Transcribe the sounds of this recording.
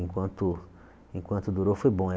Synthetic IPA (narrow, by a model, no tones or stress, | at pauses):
ŋkwɐ̃nt̪u | ĩŋkwɐ̃nt̪ud̪uɾofebõ